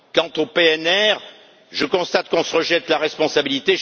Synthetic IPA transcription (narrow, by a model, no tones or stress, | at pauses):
kɑ̃t̪opeɛnɛʁ | ʒəkɔ̃st̪at̪kɔ̃səʁəʒɛt̪laʁɛspɔ̃sabilit̪e